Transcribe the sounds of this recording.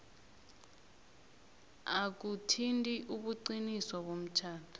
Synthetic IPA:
ak̬utʰintʼiʔuɓuǃiniswaɓom̩t͡ʃʰaːtʰḁ

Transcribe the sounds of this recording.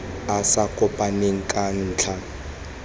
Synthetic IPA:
asakʼʊpʼaneŋ̩kʼan̩ːt͡ɬʰa

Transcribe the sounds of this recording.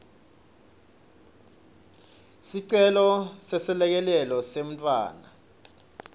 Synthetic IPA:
siǀɛlɔsɛsɛlɛk̬ɛlɛlɔsem̩tʼwa̰ːna̰

